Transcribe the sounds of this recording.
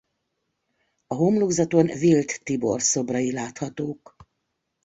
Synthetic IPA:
ɒɦomluɡzɒt̪o̞nvilt̪ːibo̞̰rso̞brɒilaːt̪hɒt̪oːk

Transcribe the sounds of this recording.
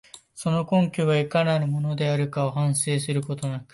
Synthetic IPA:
so̞no̞kõ̞ŋkʲɯβaikanaimo̞no̞d̪e̞aɾɯ̟kao̞hãɰ̃se̞ːsɨɾɯ̟ko̞t̪o̞nakɯ̟̥

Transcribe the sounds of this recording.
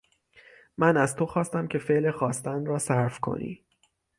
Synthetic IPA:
mænæzt̪ʰo̞xɒːst̪æmcʲʰe̞feʔlexɒːst̪ænɾɒːsæɾfkʰo̞̰nḭː

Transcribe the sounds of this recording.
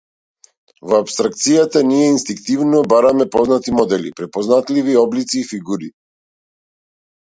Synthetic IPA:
vɔapst̪ɾakt̪sijat̪aniɛinst̪iŋkt̪ivnɔbaɾamɛpɔznat̪imɔd̪ɛlḭpɾɛpɔznat̪liviɔblit̪siːfiɡuɾi

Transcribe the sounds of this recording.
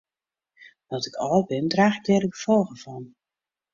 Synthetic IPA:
dɔtɪkɔlbɪndraːxɪk̚dɛdəɡəfolˠɣəvɔn

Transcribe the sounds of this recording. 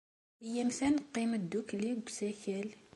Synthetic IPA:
əjːæmsænəqːiməd̪ːukliɡsæçæl

